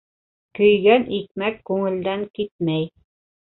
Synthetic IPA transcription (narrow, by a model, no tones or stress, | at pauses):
kɵ̆jɡænʔik̚mækːʉŋɘ̆ld̪æŋkit̪̚mæj